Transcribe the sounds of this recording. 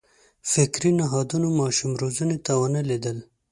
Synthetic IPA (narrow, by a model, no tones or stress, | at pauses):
fɪkɾinaɦɑd̪unomɑʃumɾozunet̪awanəled̪əl